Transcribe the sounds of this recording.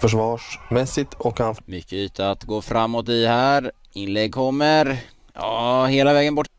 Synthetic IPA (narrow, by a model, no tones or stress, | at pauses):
fœʂ̬vɑːʂmɛsɪt̪ʰɔkanfmʏkːəyːt̪ʰaat̪ɡoːfɾamːɔt̪ɪhæːɾ | ɪnlɛɡ̚kʰɔmːəɾ | jɑːheːlavɛːɡənbɔʈː